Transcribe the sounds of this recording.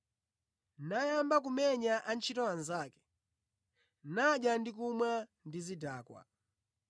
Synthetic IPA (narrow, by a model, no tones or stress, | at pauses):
najambakumɛɲaʔant͡ʃʰitɔwanzaːkɛ̥ | naʄjandik̬umwandizidaːkwa̰